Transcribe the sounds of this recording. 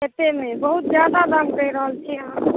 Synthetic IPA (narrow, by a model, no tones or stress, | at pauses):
ɦet̪emẽbəɦut̪zjaːd̪ad̪amkəiɾəɦəlt͡ʃʰiã